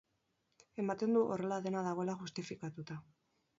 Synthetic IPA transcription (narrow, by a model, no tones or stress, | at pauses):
e̞mat̪e̞nd̪uʔo̞re̞laðe̞naðaɣo̞e̞laʝust̪ifikat̪ut̪a